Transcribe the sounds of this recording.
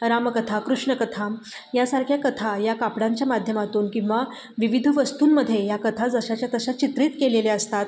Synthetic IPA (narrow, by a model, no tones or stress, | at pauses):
ɾaməkət̪ʰakɾuʂɳəkət̪ʰam | jasaɾkʰjakət̪ʰajakapɽaɲt͡ɕjamad̪ʱjəmat̪uːnkĩw̃ʋa | ʋiʋid̪ʱʋəst̪uːnməd̪ʱːjejakət̪ʰad͡zəɕat͡ɕjat̪əɕat͡ɕit̪ɾiːt̪keleleəst̪at̪